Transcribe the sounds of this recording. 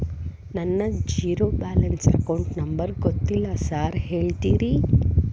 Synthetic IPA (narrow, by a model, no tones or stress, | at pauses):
nɐnːɐd͡ʒiːɾoːbaːlɐnsɐ̰kɐwɳʈnɐmbɐɾɡot̪ːilːɐsaːɾhe̞ːɭt̪iːɾi